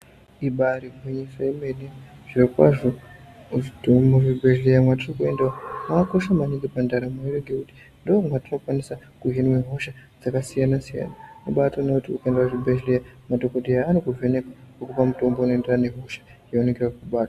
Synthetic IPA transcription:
iɓaɾiɡʱeɲesajemeneʐ̥irokwa̰ʐo | ʐidomoʐibʱeʃlejamwatirokue̞ndaamako̞ʃamaniŋɡepandaɾamuiɾeɡekuti̥ | ndoomwatinokwanisa | kuɦinweɦoʃad͡zakasijanasija̰namuɓatoneutiukaendawaʐibʱeʃlejamadokodijaːnokuvenekakukupamuto̞mbonoenderane̞ɦo̞ʃḁjeonekerwakuɓaːtwa

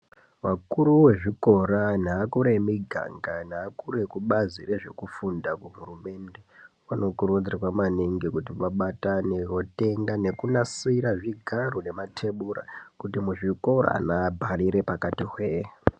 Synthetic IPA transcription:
wakuɾuwe̞ʐiko̞ɾan̤aːkuɾemiɡʱa̰ŋɡanaːkure̞kuɓazire̞ʐe̞kufundakuɦurume̞nde̞wano̞kurud͡zirwamaniŋɡikutiʋaɓatanerote̞ŋɡane̞kunasiɾaʐiɡʱarune̞matʰe̞ɓuɾa̰kutimuʐiko̞ɾa̰naːbʱaɾiɾe̞pakatiɦwe

